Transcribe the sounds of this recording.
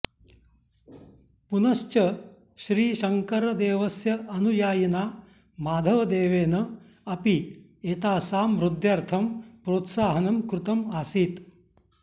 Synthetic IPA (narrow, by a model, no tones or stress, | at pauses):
punɐʃt͡ʃɐ | ʃɾiːʃɐŋkɐɾɐd̪eːʋɐsjɐʔɐnujaːjɐnaː | maːd̪ʱɐʋɐd̪eːʋeːnɐ | ɐpi | eːt̪aːsaːmɾud̪jɐɾt̪ʰɐmpɾoːt̪saːɦɐnɐmkɾut̪ɐmaːsiːt̪